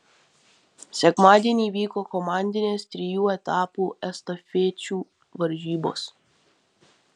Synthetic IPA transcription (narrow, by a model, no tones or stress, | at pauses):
sʲɛkmaːd̪ʲiɛnʲiːʋʲiːkoːkɔmɑːnʲd̪ʲɪnʲeːst̪ʲɾʲɪjuːɛt̪ɑːpuːɛst̪ɔfʲeːt͡ʃʲuː | ʋɐɾʲʒʲiːbo̰ːs